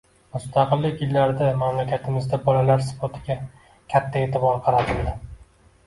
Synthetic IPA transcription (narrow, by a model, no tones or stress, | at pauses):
mʊst̪ʰɑqɨlːɪkʲjɪlːaɾd̪amamlakʲʰat̪ʰɪmɪzd̪abɒlalaɾspʰot̪ʰɪɡʲa | kʲʰat̪ʰːae̞ːt̪ʰɪbɒɾqʰɑɾat̪ʰɪld̪ɪ